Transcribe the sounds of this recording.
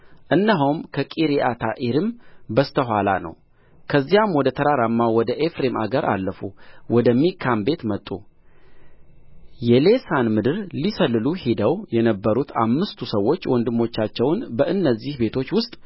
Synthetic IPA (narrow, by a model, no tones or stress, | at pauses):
ʔɨnːaɦuwmkʰəkʼiɾiʔat̪ʰaʔiɾɨmbəst̪ʰəɦʷwala̰nə̰w | kʰəzːijamwɔd̪ət̪ʰəɾaɾamːawɔd̪əʔefɾe̞ma̰ɡəɾʔa̰lːəfuwɔd̪əmːikʰːambe̞t̪mət̪ʼːṵ | jɛle̞sanmɨd̪ɨɾlisəlːɨluhid̪əwjɛnəbːəɾut̪ʰa̰mːɨst̪ʰusəwːo̞t͡ʃːwɔnd̪ɨmːo̞t͡ʃːat͡ʃːɛwnbəʔɨnːəzːihbe̞t̪ʰo̞t͡ʃːwʊst̪ʼ